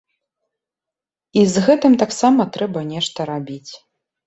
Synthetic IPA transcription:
izɣɛt̪ɨmt̪aksamɐt̪ɾɛbɐnʲɛʂt̪ɐɾabʲit͡sʲ

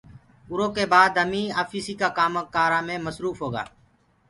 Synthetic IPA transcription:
ʊɾoːkeːbaːd̪əmiːaːfiːsiːkaːkaːməkaːɾaːmẽːməsɾuːfɦoːɡa̰ː

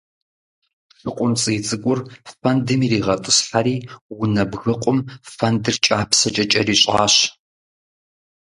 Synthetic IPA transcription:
ɬɨqʷʼʊmt͡sʼiːt͡sʼɨɡʷʊrfɐndɨmiːriːʁɐtʼɨsħaɾiːwʊnɐbɣɐqʷʼʊmfɐndɨrt͡ʃʼaːpʰsɐt͡ʃʼɐt͡ʃʼɐriːɕʼa̰ːɕ

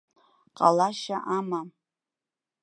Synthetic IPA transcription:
qʼalaʃaʔama

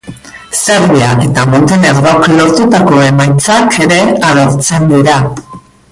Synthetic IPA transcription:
se̞ɾβiaʔe̞t̪amo̞nt̪ene̞ɾðoklo̞ɾt̪ut̪ako̞e̞majt͡sakʰe̞ɾe̞aɾoɾt͡se̞nd̪iɾa

